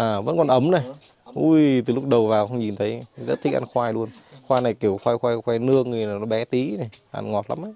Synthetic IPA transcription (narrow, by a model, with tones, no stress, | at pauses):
ʔaː˨˩və̰˧˥nkɔ˨˩nʔə˨˦mna˨˩j | ʔu˧jt̪ɨ˨˩lʊ˦˥k͡p̚ɗə˨˩wvaː˨˩wxə˧wŋ͡mɲi˨˩nt̪ʰə˨˦jzə˦˥t̚t̪ʰi˧˥ʔa̰˧nxwaː˧jlu˧ənxwaː˧jna˨˩jki˧˩əwxwaː˧jxwaː˧jxwaː˧jnɨ˧əkŋɨ˨˩əjnaː˨˩nɔ˨˦ɓɛ˨˦t̪i˨˦na˨˩jʔa̰˧nŋɔ˨˩t̚la̰˨˦mʔa˨˧˦